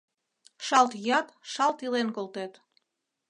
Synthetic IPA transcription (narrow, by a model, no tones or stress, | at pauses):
ʃɑlt̪jɑt̪ʃɑlt̪ilenkolt̪et̪